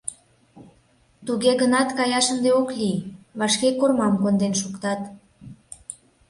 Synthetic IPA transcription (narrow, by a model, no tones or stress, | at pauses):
t̪uɣeɣənɑt̪kɑjɑʃənd̪eokliβɑʃkekormɑmkond̪enʃukt̪ɑt̪